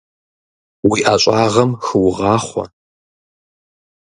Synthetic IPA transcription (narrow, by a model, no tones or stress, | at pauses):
wiːʔaːt͡ʃʷʼɑːʁɐmxɨwʊʁɑːχʷɔ̰